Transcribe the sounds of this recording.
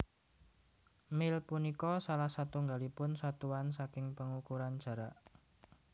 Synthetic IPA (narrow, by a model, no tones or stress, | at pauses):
mɪlpunikɔsalahsat̪uŋɡalipʊnsat̪uansakɪŋpəŋukuɾand̥ʒ̥ä̤ɾaʔ